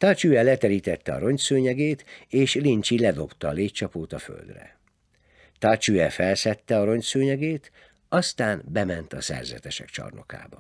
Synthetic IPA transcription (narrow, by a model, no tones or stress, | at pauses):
t̪ɒt͡ʃuɛlɛt̪ɛɾiːt̪ɛt̪ːɛɒ̰ɾo̞ɲt̪søːɲɛɡeːt̪eːʃlint͡ʃilɛd̪o̞pt̪ɒːleːct͡ʃɒpoːt̪ɒfø̰ld̪rɛ̰ | t̪ɒt͡ʃuɛfɛlsɛt̪ːɛɒɾo̞ɲt̪søːɲɛɡeːt̪ | ɒst̪aːnbɛmɛnt̪ɒsɛ̰rzɛ̰t̪ɛʃɛkt͡ʃɒ̰rno̞̰ka̰ːbɒ